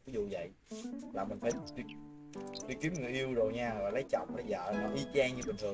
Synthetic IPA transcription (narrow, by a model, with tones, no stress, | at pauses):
vi˨˦zṵ˧˨və̰˧˨j | laː˨˩mï˨˩ŋ̟faː˧˩t͡ɕi˧˩k | t͡ɕi˧˩ki˨˦əmŋɨ˨˩ʔi˧əwzo˨˩jɲaː˧laː˨˩lə˨˦jt͡ɕɔ̰˧˨wŋ͡mɗaː˨˧˩jzə̰ː˧˨maː˨˩ʔi˧˦t͡ɕɛː˧ŋɲɨ˧ɓï˨˩ŋ̟t̪ʰɨ˨˩